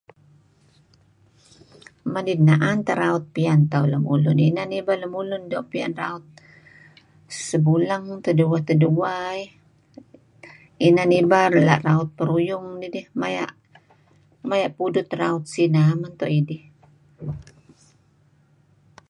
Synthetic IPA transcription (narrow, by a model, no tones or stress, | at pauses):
madidnaʔant̪aɾaʊt̪̚piant̪auləmṵlʊninanibaləmulʊndɔʔpia̰nra̰ʊt̪̚ | səbulaŋt̪əduwat̪əduwai | inanibarla̰ʔraʊt̪̚pəɾujʊŋdidɪhmaja̰ʔ | majaʔpudʊt̪raʊt̪̚sinamant̪ɔʔidɪh